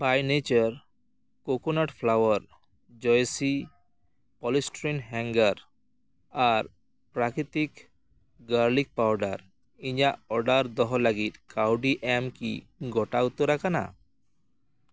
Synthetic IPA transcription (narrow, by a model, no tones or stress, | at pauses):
bajnet͡ʃɔɾ | kokonaʈpʰlawɔɾ | d͡ʒɔjsi | pɔlisʈɾinɦɛŋɡaɾ | aɾ | pɾakɾit̪ik | ɡaɾlik̚pawɖaɾ | iɲaʔɔɖaɾd̪ɔɦɔlaɡit̪kawɖiʔɛmkḭ | ɡʱɔʈaut̪oɾakana̰